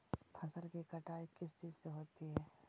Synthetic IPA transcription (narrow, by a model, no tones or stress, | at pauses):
pʰɐsəlkikɐʈaːekɪst͡ʃiːzseɦoːt̪iɦɛː